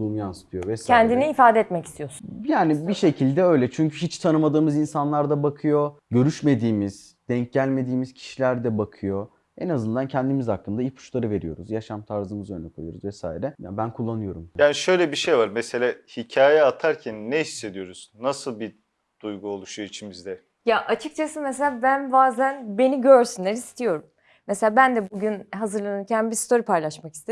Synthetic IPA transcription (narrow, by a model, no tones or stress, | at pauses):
mjansɯ̥t̪ʰɯjovɛscʰɛnd̪iniːfaːd̪ɛt̪mɛci̥st̪ʰijosu̥njaːnibiʃe̞cʰilʲd̪ɛø̞jlʲɛt͡ʃʰyɲcʰyɦit͡ʃt̪ʰanɯmad̪ɯːmɯzinsanlˠaɾd̪abakʰɯjo̞ɟø̞ɾyʃme̞d̪iːmiz̥ | d̪̥ɛɲc̚ɟælʲme̞d̪iːmiz̥cʰi̥ʃilʲæɾd̪ɛbakʰɯjo̞ | enazɯnd̪ancʰɛnd̪imizhaklˠɯmnd̪ailpʰu̥ʃlˠaɾɯve̞ɾijo̞̰ɾuzjaʃamt̪ʰaɾzɯmɯzø̞nlʲɛkʰojuo̰ɾṵzvɛsaːiɾɛjabænkʰulˠːanɯjo̞ɾumjaːniʃø̞jlʲɛbiʃejvaɾmese̞lʲaːhicʰaːjɛat̪ʰaɾcʰænːɛhisːe̞d̪ijo̞ɾuz̥nasɯlˠbi | d̪̥ujɡuolˠuʃuuit͡ʃʰimizd̪ɛ | jaʔat͡ʃʰɯk̚t͡ʃʰasɯmes̬elʲaːbænbaːzænbe̞niɟøɾsynlʲeɾist̪ʰijo̞ɾum | mːeselʲaːbænd̪ɛbuɟynɦazɯɾlˠanɯncʰænbist̪ʰo̞ɾipʰajlˠaʃmaki̥st̪ʰe